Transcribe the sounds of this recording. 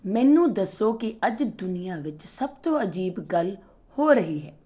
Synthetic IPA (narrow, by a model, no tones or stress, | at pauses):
mɛ̃ːnũːd̪əsːoːkɪʔəd͡ʒd̪ʊnɪjaːʋɪt͡ʃsəb̚t̪õːəd͡ʒiːbɡəl | hoːɾəɦiːɦɛː